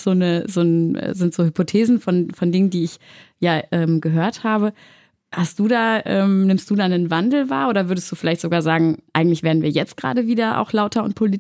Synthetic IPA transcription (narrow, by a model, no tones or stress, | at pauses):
z̥oːnəzoːnʔɛ̰zɪntz̥oːhʏpotʰeːzn̩fɔnfɔndɪŋəndiːɪçjaːʔɛːmɡəɦøːɐthaːβə | hast̚d̥uːdaːʔɛ̰ːmnɪmstd̥uːdaːnənvandl̩va̰ːɐʔoːɾɐvʏɐdəstd̥uːfɪlaɪçtz̥oɡaːɐzaːɡŋ̩ʔa̰ɪɡŋ̩tlɪçv̥eːɐdn̩viːɐjɛt͡st̚ɡ̥ʁa̰ːdəviːdɐʔa̰ʊxlaʊtɐʊ̰nt̚pʰoliːt